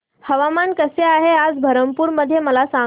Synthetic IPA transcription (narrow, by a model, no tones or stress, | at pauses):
həʋamankəseaɦead͡zbʱəɾəmpuːɾməd̪ʱːjeməlasã